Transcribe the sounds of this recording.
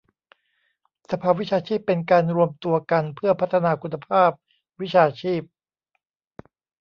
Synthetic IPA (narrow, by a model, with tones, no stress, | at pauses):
sa˧pʰaː˧˩wi˦˥t͡ɕʰaː˧t͡ɕʰiː˥˩pːe˧nkaː˧nɾu˧əmt̪u˧ɐka˧npʰɯ˥˩ɐpʰa˦˥t̪ʰːa˧naː˧kʰu˧nːa˧pʰaː˥˩p̚ | wi˦˥t͡ɕʰaː˧t͡ɕʰiː˥˩p̚